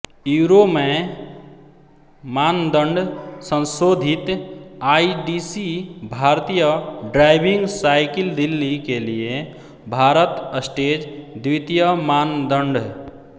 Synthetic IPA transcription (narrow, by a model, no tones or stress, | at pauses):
juɾome | mand̪əɳɖsə̃nsod̪ʱit̪aiɖisibʱaɾt̪ijəɖɾaɪbʱĩŋɡsaɪkild̪ilːikelie | bʱaɾət̪əsʈed͡ʒd̪wit̪ijəmand̪əɳɖʱ